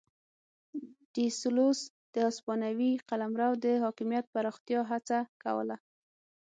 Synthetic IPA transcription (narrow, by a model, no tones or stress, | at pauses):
ɖ̥islos | d̪̥əɑspɑnawiqalamɾawd̪əɦɑkɪmijat̪̚paɾɑxt̪jɑɦat͡saka̰wə̰la